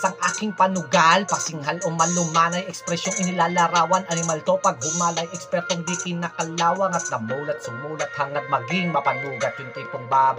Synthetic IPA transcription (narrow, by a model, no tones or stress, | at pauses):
sɐŋʔaːkɪŋpɐnʊɡalpɐsɪŋɦalʔomɐlʊŋmaːnɐjɛkspɾɛsjoŋɪnɪlalaɾaːwɐnɐnɪmalt̪opɐɡ̚ɦʊmalɐjʔɛkspɛɾt̪oŋd̪ikɪnːɐkɐlaːwɐŋɐt̪̚nɐmuːlɐt̪̚sʊmuːlɐt̪̚hɐŋnɐɡ̚mɐɡɪŋmɐpɐnuːɡɐt̪̚jʊŋt̪ɐjp̪ʊŋbaːb